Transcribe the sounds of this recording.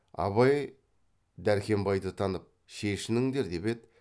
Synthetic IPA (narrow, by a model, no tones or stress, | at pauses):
ɑ̰βɑj | d̪æɾkʲe̞mbɑjd̪ət̪ʰɑnəp̚ | ʃeʃɪnɪŋd̪e̞ɾd̪e̞ped̪